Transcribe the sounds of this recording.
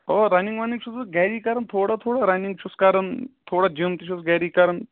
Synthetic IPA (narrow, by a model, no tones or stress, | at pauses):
ɦoɾaniŋɡʋaniŋt͡ʃʰusɡɛːɾiːkaɾənt̪ʰoːɽat̪ʰoːɽaɾaniŋɡt͡ʃʰuskaɾənt̪ʰoːɽad͡ʒimt̪it͡ʃʰusɡɛːɾiːkaɾɐn